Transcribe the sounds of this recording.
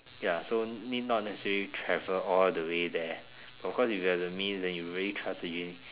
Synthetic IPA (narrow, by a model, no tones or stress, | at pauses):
jasonid̚nɔt̚nɛsɛsɛɹəlitʰɹɛvəɔldəwedɛ | b̥atɔfkʰɔsifjuhɛvdəmĩnsdɛ̃njuɹiəlitʰɹasdəd͡ʒĩni